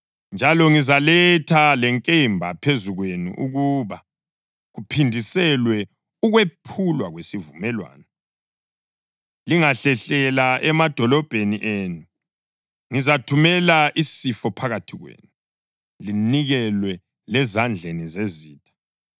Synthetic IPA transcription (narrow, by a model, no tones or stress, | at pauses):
nd͡ʒʱalɔŋizalɛtʰalɛŋkʼembʱapʰezuɣwenṵʔuɣuβa | ɣupʰindʱisɛlwɛ | uɣwepʰulwaɣwesivumɛlwa̰ːnɔ | liŋaɬɛɬɛlaɛmad̥ʱɔlɔb̥ʱeniʔeːnu | ŋizatʰumɛlaʔisifɔpʰaɣatʰiɣwḛːnu | liniɣɛlwɛ | lɛzand͡ɮʱenizeziːtʰʼḁ